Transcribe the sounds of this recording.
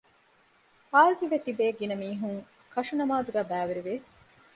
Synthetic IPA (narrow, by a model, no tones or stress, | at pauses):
haːziʋet̪ibeːɡinɐmiːɦuŋ | kɐʂunɐmaːd̪uɡæːbæːʋeɾiʋe